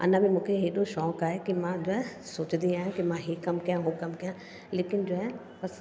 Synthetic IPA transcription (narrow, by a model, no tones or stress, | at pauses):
ɐ̰nãbĩmũːkʰeɦeːɗõʃɔːkaːɦekimãd͡ʑoːɛ̃soːt͡ʃd̪iaːjũkimãɦikɐmkɐjãɦokɐmkɐjã | leːkɪnd͡ʑoːɦɛ̃ | bɐs